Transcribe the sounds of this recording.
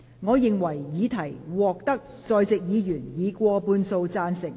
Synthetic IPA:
ŋɔː˨˧jɪ˨ŋwɐ˨˩jjiː˨˧t̪ʰɐ˨˩jwɔː˨k̚t̪ɐ˥k̚ | t͡sɔː˧jt͡sɪ˨k̚jiː˨˧jyː˨˩njiː˨˧kʷɔː˧puː˧nso˧wt͡saː˧nsɪ˨˩ŋ

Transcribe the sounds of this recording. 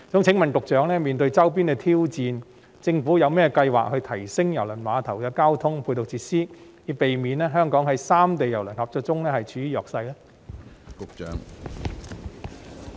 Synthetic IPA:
t͡sʊ˨˥ŋt͡sʰɪ˨˥ŋmɐ˨nt̪ʊ˨k̚t͡ʃœː˨˥ŋlɛː˥miː˨˩nt̪̬ɵ˧ɥt͡sɐ˥wp̬iː˥nkɛː˧t̪ʰiː˥wt͡siː˨˧n | t͡sɪ˧ŋfuː˨˥jɐ˨˧wmɛː˥ɛ˧kɐ˧jwa̰ː˨k̚hɵ˧ɥt̪ʰɐ˨˩jsɪ˥ŋjɐ˨˩wlɐ˨˩nwaː˨˧t̪ʰɐ˨˩wkɛː˧kaː˥wt̪ʰʊ˥ŋpʰuː˧t̪ʊ˨k̚t͡siː˧t̚siː˥ji˨˧˥pe˨jmiː˨nɛː˥ɦœː˥ŋkɔː˨˥ŋɦɐ˨˥jsaː˥mt̪e˨jɐ˨˩wlɐ˨˩nhɐː˨˩p̚ɔː˨˧˥t͡sʊ˥ŋlɛː˥hɐ˨jt͡ʃʰyː˨˥iː˨˧jɔː˨k̚sɐ˧jlɛː˥ | kʊ˨k̚t͡ʃœ̰ː˨˥ŋ

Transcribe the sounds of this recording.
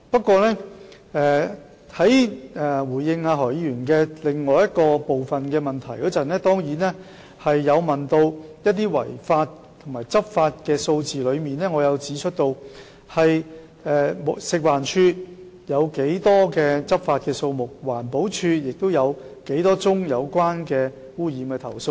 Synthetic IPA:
pɐ˥t̚kːwɔː˧lɛː˥ | ɛː˧ | hɐ˨˥jɛː˨˩wuː˨˩jjɪ˧ŋaː˧ɦɔ˨˩jjyː˨˩nkɛː˧lɪ˨ŋŋɔː˨jɐ˥t̚kɔː˧po˨wfɐ˨nkɛː˧mɐ˨nt̪ʰɐ˨˩jkɔ˨˥t͡sɐ˨nɛː˥t̪ɔː˥ŋjiː˨˥nɛː˥ | hɐ˨jːɐ˨˧wmɐ˨˩nt̪o˧wjɐ˥t̪̬̚ːiː˥wɐ̰˨˩jfaː˧t | t̪ʰʊ˨˩ŋmaː˨˩jt͡sɐ˥p̚faː˧t̚kɛː˧so˧wt͡siː˨lɵ˨˧ɥmiː˨˧nɛː˥ŋɔː˨˧jɐ˨˧wt͡siː˨˥t͡ʃʰɵ˥t̚t̪o˧w | hɐ˨j | ɛː˨˧m˨sɪ˨k̚waː˨˩nt͡ʃʰyː˧ | jɐ˨˧wke˨˥jt̪ɔː˥kɛː˧t͡sɐ˥p̚faː˧t̚kɛː˧so˧wmʊ˨k̚waː˨˩npo˨˥wt͡ʃʰyː˧jɪ˨k̚t̪o˥wjɐ˨˧w | ke˨˥jt̪ɔː˥t͡sʊ˥ŋjɐ˨˧wkʷaː˥nkɛː˧ | wuː˥jiː˨˧mkɛː˧t̪ʰɐ˨˩wso˧w

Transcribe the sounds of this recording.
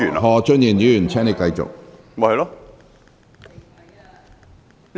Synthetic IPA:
n˨hɔː˧t͡ʃɵ˥n̚jiː˨˩njiː˨˥jyː˨˩nt͡sʰɛː˥ŋne˨˧jkɐ˧jt͡sʊ̰˨k̚ | ma˧hɐ˨˧lɔ˦˥

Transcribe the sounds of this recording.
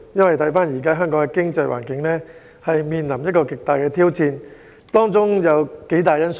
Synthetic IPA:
jɐ˥nwɐ˨˩jt̪ʰɐ˨˥jfaː˥njiː˨˩kaː˥ɦœː˥ŋkɔː˨˥ŋkɛ˧kɪ˥ŋt͡sɐ˧jwʔa̰ː˨˩nkɪ˨˥ŋlɛː˥ | hɐ˨jmiː˨nlɐ˨˩mjɐ˥t̚kɔː˧kɪ˨k̚t̪aː˨jkɛ˧t̪ʰiː˥wt͡sʰiː˧n | t̪ɔː˥ŋt͡sʊ˥ŋjɐ˨˧wke˨˥jt̪aː˨jɐ˥ns

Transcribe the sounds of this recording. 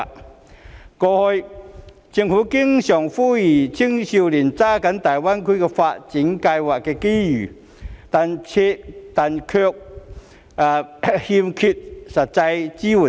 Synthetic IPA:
kɔː˧hɔ˧j | t͡ɕi˧ŋfu˨˦˥ki˥ŋɕjɔ˨˩ŋfu˥ji˨˩t͡ɕʰi˥ŋɕi˧wli˨˩nt͡saː˦˥kɐ˨˧˥nt̪aː˨˩jwa˥nkʰu˥˧˥kɛ˧fa˧t̚t͡ɕi˨˦˥ŋka˧jwaː˨˩k̚kɛ˧ki˥jyː˨˩ | t̪a˨nt͡ɕʰe˧t̪a˨˩nkʰœ˧k̚ | a˨˩hi˧mkʰy˧˩t̚sɐ˨˩t̚t͡sa˧jt͡ɕi˥wu˨˩˨

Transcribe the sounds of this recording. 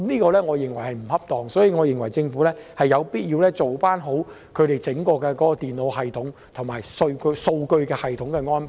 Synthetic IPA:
mniː˥kɔː˧lɛː˥ŋɔː˨˧jɪ˨ŋwɐ˨˩jhɐ˨jm̩˨˩hɐ˥p̚t̪ɔː˨˩ŋsɔː˨˥jiː˧ŋɔː˨˧jɪ˨ŋwɐ˨˩jt͡sɪ˧ŋfuː˨˥lɛː˥hɐ˨jːɐ˨˧wpiː˥t̚jiː˧wlɛː˥t͡so˨wfaː˥nɦo˨˥w | kʰɵ˨˧ɥt̪e˨jt͡sɪ˨˥ŋkɔː˧kɛː˧kɔː˨˥kɔː˧t̪iː˨nlo˨˧wɦɐ˨jt̪ʰʊ˨˥ŋ | t̪ʰʊ˨˩ŋmaː˨jso˧wkɵ˧so˧wkɵ˧ɥkɛː˧hɐ˨jt̪ʰʊ˨˥ŋkɛː˧ŋɔː˥np

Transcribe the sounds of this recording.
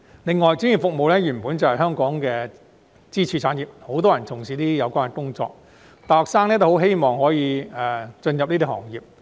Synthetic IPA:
lɪ˨ŋːɔː˨jt͡sɪ˧˥ŋjiː˨˩fʊ˨k̚mo˨wlɛː˥jyː˨˩npuː˨˥nt͡sɐ˨whɐ˨jɦœː˥ŋkɔː˨˥ŋkɛː˧ | t͡siː˥t͡ʃʰyː˧t͡sʰaː˨˥njiː˨p̚ho˨˥wt̪ɔː˥jɐ˨˩nt͡sʰʊ˨˩ŋsiː˨˧˥t̪iː˥jɐ˨˧wkʷaː˥nkɛ˨kʊ˥ŋt͡sɔ̰ː˧k̚ | t̪aː˨˩hɔː˨˩ksaː˥ŋniɛ˥t̪o˥˩ho˨˥wɦe˥jmɔː˨ŋhɔː˨˥jiː˨˧ɛ˨˩t͡ʃɵ˧njɐ˨p̚ni˥i˥˩hɔ̰ː˨˩ŋjiː˨p̚

